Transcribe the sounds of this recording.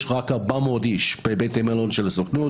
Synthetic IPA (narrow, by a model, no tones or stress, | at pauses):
ʃʁakabamod̪iʃb̥ebejt̪emalonʃelasoknu